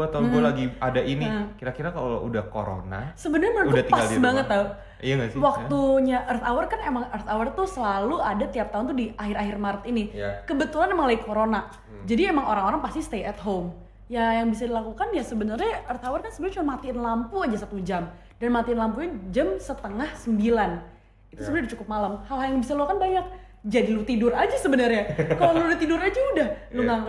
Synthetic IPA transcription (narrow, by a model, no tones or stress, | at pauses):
at̪anɡualaɡiadaʔinikiɾakiɾakallo̰ṵdahko̰ɾo̰na̰səbənərɲaməndat̪ipaɡaslbaŋət̪̚ːau | aŋaswak̚t̪uɲaʔərt̪awərkanemaŋərt̪awərt̪usəlaluadat̪iap̚t̪aɦunt̪udiahɪɾaɦɪrmaɾət̪inijkəbət̪ulanemaŋlaɡikʰoɾona | d͡ʒadiemaŋoɾaŋoɾaŋpast̪ist̪eɛt̪̚ɦom | jajaŋbisadilakukanjasəbənərɲaərt̪awarkansəbəlt͡ʃumanmat̪iɪnlampuad͡ʒasat̪ud͡ʒam | danmat̪iɪnlampuɲad͡ʒəmsət̪əŋahsəmbilan | it̪usəbənardit͡ʃukʊp̚malamhalɦaljaŋbisaluakanbaɲak̚ | d͡ʒadilut̪idʊrad͡ʒasəbənərɲakaloludaht̪idʊɾad͡ʒaudahluŋaŋ